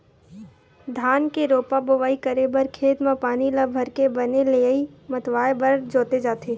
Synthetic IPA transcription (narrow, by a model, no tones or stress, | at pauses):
d̪ʱaːnkeɾoːpaboʋaːikɐɾebəɾkʰeːt̪mãpaːniləbʱɐɾkebɐneleimɐt̪ʋaːebɐɾd͡ʒoːt̪ed͡ʒaːt̪eː